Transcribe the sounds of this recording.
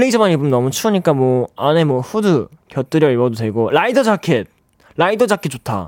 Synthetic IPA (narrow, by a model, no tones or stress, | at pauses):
ɭːeid͡ʑʰʌmaɲibɯmnʌmut͡ɕʰuɯɲik͈amwʌane̞mwʌɸudɯ | kjʌt͈ɯɾjʌibʌdotwe̞ɡoɾaidʌd͡ʑakʰet̚ | ɾaidʌd͡ʑakʰet͡ɕotʰa̰